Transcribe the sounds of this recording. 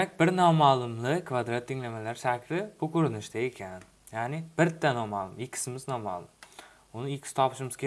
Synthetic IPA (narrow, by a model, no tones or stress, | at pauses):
dak̚ʲbɪɾnɒmalˠʊmlɪkʰvad̪ɾat̪ʰːɪŋlamalaɾʃakʲʰlɪbʊkʰʲɵɾɪnɪʃd̪aekʲʰan | janɪb̥ɪɾt̪ʰːanɒmalˠʊmɪkʲʰːɪ̥sɪmɪznɒma̰lˠʊm | ʊnɪɪkʲʰɪ̥sɪ̥t̪ʰɒpʰɪ̥ʃɪmɪz̥kʲ